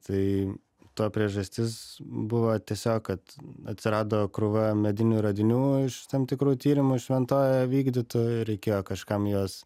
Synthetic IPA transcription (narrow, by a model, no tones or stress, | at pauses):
t̪ɐɪ | t̪uɔpʲɾʲiɛʒɐsʲt̪ʲɪsbʊʋoːt̪ʲiɛsʲoːkkɐt̪ɐt̪ʲsʲɪɾɑːd̪oːkɾʊʋɐmʲɛd̪ʲɪnʲuːɾɐd̪ʲɪnʲuːɪʃt̪ɐmt̪ʲɪkɾuːt̪ʲiːɾʲɪmʊʃʲʋʲɛnt̪oːjɛʋʲiːɡd̪ʲɪt̪ujʊɾʲɛɪkʲeːjoːkɐʃkɐmjoːs